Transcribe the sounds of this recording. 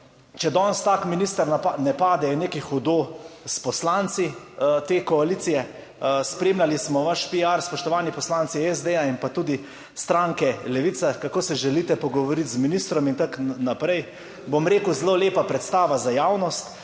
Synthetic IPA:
t͡ʃɛd̪ɔːnst̪aːkminist̪əɾnanɛpaːd̪ɛneːkixɔd̪ospɔslant̪si | t̪eːkɔaliːt̪sijɛ | spɾeːmlʲalismɔʋaʃpiaɾspɔʃt̪ɔʋaːnipɔslant̪siɛzd̪eainpat̪uːd̪i | st̪ɾaːŋkɛlɛʋit̪sakakoːsɛʒɛlit̪ɛpɔɡɔʋɔɾit̪zminist̪ɾɔmint̪aknapɾɛj | bomɾeːkuzloleːpapɾɛt̪st̪aːʋazajaːwnɔst̪

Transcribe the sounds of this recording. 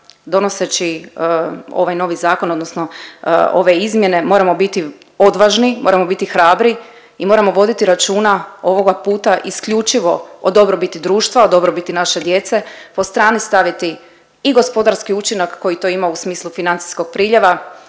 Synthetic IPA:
d̪o̞no̞se̞t͡ɕi | o̞̰ʋajno̞ʋizaːko̞no̞d̪nosno̞o̞̰ʋe̞izmje̞ne̞mo̞ːɾamo̞bit̪i | o̞d̪ʋaʒnimo̞ɾamo̞bit̪ixɾaːbɾi | imo̞ːɾamo̞ʋo̞d̪it̪iɾat͡ʃuːnao̞ʋo̞ɡapuːt̪aʔiskʎut͡ʃiʋo̞od̪o̞bɾo̞bit̪id̪ɾuːʃt̪ʋaod̪o̞bɾo̞bit̪inaʃe̞d̪je̞t̪se̞po̞st̪ɾaːnist̪aʋit̪i | iɡo̞spo̞d̪aɾskiut͡ʃinakːo̞jit̪o̞ːimausmiːslˠufinant̪si̥sko̞ɡ̥̚pɾiːʎeʋa

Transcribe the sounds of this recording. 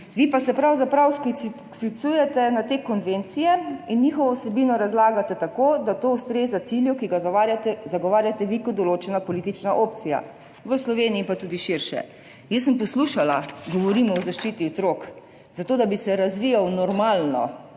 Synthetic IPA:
ʋipasɛpɾawzapɾawsk | sit̪suːjɛt̪ɛnat̪eːkɔnʋent̪sijɛinːiːxɔʋɔsɛbiːnɔɾazlaːɡat̪ɛt̪akoːd̪at̪oust̪ɾeːzat̪siljukiɡaat̪ɛzaɡɔʋaːɾjat̪ɛʋikɔd̪d̪ɔloːt͡ʃɛnapɔliːt̪it͡ʃnaʔoːp̚t̪sija̰ | ʋəslɔʋeːniipat̪uːd̪iʃiɾʃɛ̰ | jəsːəmpɔsluʃalaɡɔʋɔɾiːmɔɔzaʃt͡ʃit̪iɔt̪ɾok | zat̪oːd̪abisɛɾazʋijawnɔɾmaːlnɔ̰

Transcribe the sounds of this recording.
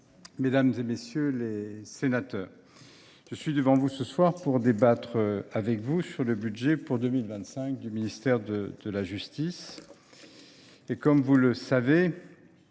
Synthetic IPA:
med̪amzemesjølesenat̪œːʁ | ʒ̥əsɥid̪əvɑ̃vusəswaʁpuʁd̪ebat̪χəavɛkvusyʁləbyd̪ʒepuʁd̪əmilvɛ̃t̪sɛ̃k̚d̪yminist̪ɛʁd̪əd̪əlaʒyst̪is | ekɔmvuləsave

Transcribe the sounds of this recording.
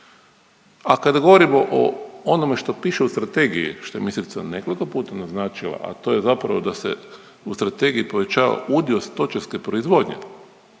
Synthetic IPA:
akad̪aɡo̞ʋo̞ɾimoʔo̰ono̞me̞ʃt̪o̞piːʃeust̪ɾat̪e̞ːɡijḭʃt̪ojemisit̪sa̰ne̞ko̞liko̞puːt̪anaznaːt͡ʃilˠa̰ʔa̰t̪o̞ːje̞zapɾa̰ʋod̪asḛ | ust̪ɾat̪e̞ɡiipo̞ʋe̞t͡ʃaːʋa̰ud̪iost̪o̞t͡ʃaske̞pɾo̞izʋo̞ːd̪ɲe̞̰

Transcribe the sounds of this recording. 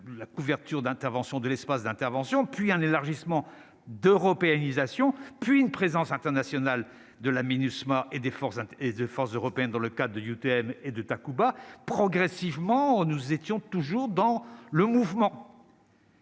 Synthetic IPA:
lakuvɛʁt̪yʁd̪ɛ̃t̪ɛʁvɑ̃sjɔ̃d̪əlɛspasd̪ɛ̃t̪ɛʁvɑ̃sjɔ̃pɥiɛ̃nelaʁʒismɑ̃ | d̪øʁɔpeanizasjɔ̃pɥiynpχezɑ̃sɛ̃t̪ɛʁnasjɔnal | d̪əlaminysmaʔed̪efɔʁsɛ̃ed̪efɔʁszøʁɔpeɛnd̪ɑ̃ləkad̪ʁəd̪əjut̪eɛmed̪ət̪akubapχɔɡʁɛsivmɑ̃nuzet̪jɔ̃t̪uʒuʁd̪ɑ̃ləmuvmɑ̃

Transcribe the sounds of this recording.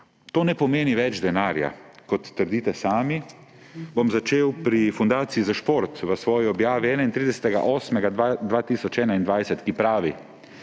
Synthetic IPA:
t̪oːnɛpɔmeːniʋɛd͡ʒd̪ɛnaːɾja̰kɔt̪ːəɾd̪iːt̪ɛsaːmi | bomzat͡ʃeːwpɾifund̪aːt̪siizaʃpoɾt̪ʋəsʋɔːjiɔbjaːʋiɛːnaint̪ɾid̪ɛsɛ̥t̪ɛɡa̰ʔoːsmɛɡad̪ʋaːt̪iːsɔt͡ʃɛːnaind̪ʋajsɛt̪kipɾaːʋi

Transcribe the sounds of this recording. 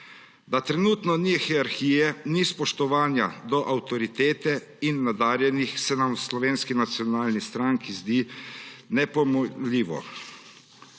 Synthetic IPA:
d̪at̪ɾɛnuːt̪nɔnixɛaɾxiːjɛnispɔʃt̪ɔʋaːnjad̪ɔʔawt̪ɔɾit̪eːt̪ɛ | inːad̪aːɾjɛnixsɛnamwslɔʋeːnskinat̪sjɔnaːlnist̪ɾaŋkizd̪i | nɛpɔmɔliːʋɔ̰

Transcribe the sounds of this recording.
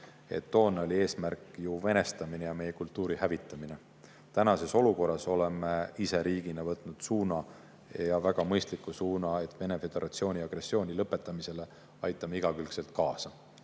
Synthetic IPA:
e̞̰t̪ːo̞ːnːo̞lʲie̞ːsmærkˑjuve̞ne̞st̪ɑminejɑme̞je̞kult̪ːuːɾihævit̪ːˑɑmine̞ | t̪ænɑse̞so̞luko̞rːɑso̞le̞meise̞ɾiːɡ̥inɑvɤt̪ːˑnud̪̥suːnɑ | jɑvæɡ̥ɑmɤjst̪likːˑusuːnɑe̞t̪ːˑve̞ne̞fe̞d̪̥e̞ɾʔɑt̪sio̞ːnʲiɑɡ̥ɾe̞sːio̞ːnʲilɤpːˑe̞t̪ːˑɑmise̞le̞ | ɑjt̪ːˑɑmeiɡ̥ɑkylkse̞lt̪̚kɑːsɑ

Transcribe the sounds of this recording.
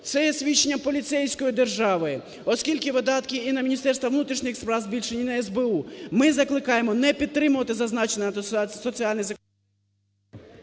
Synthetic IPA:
t̪sɛjɛsʲʋʲit͡ʃːenʲːɐpɔlʲit̪sɛjsʲkɔjid̪erʒɑʋɪ | ɔskʲilʲkɪʋɪd̪ɑt̪kʲiinɐmʲinʲist̪ɛrst̪ʋɐʋnut̪ɾʲiʃnɪxspɾɑwzbʲilʲʃenʲinɐɛzbeumɪzɐklˠɪkɑjemɔnɛpʲid̪̚t̪ːɾɪmʊʋɐt̪ɪzɐznɑt͡ʃenɐsɔt͡sʲiɑlʲnɪjzɐk

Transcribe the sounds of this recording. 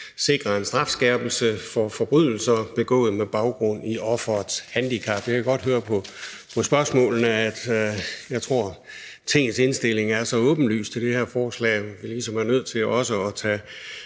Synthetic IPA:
se̝ɡ̥ʁɐe̝nsd̥ʁɑ̈fsɡ̥ɛɐb̥l̩səfɒ̽fɒ̽b̥ʁyðˠl̩sɐb̥e̝ɡ̥ɔ̰̽ːð̞̩ˠmeb̥ɑ̈ʊɡ̥ʁɔ̽n̰iʔɒ̽fɐ̥shænd̥ikʰæb̥jɑ̈kʰæɡ̥ɒ̽d̥ɦøːɐpʰɒ̽ | pʰɒ̽sb̥ɶɐsmɔ̰̽ːln̩əæd̥jɑ̈ɪt͡sʰʁo̝ɐ̰ | t͡sʰe̝ŋ̰n̩se̝nsd̥e̝le̝ŋæɐsɒ̽ɔ̽ːb̥n̩ly̰ːst͡sʰe̝ld̥e̝heɐfɒːslɛ̰ːʋilisɒ̽mæɐnøð̞̰ˠt͡sʰe̝lɒ̽səɒ̽t͡sʰɛː

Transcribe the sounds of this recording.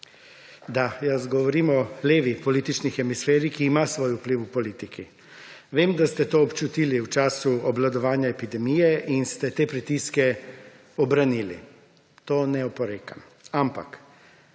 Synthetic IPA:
d̪ajɐzɡɔʋɔɾiːmɔleːʋipɔliːt̪it͡ʃnixɛmisfeːɾikiːmasʋoːjupliwupɔliːt̪ikʰi | ʋeːmd̪ast̪ɛt̪oːɔpt͡ʃut̪iːliwt͡ʃaːsuɔblad̪ɔʋaːnjaepid̪ɛmijɛʔinst̪ɛt̪eːpɾit̪iskɛ | ɔbɾaniːlḭ | t̪oːnɛɔpɔɾeːkam | ampa̰k

